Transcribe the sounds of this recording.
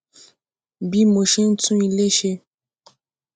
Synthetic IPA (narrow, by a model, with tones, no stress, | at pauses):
bi˦mo˨ʃe˦n̩˦tũ˦i˨le˦ʃe˦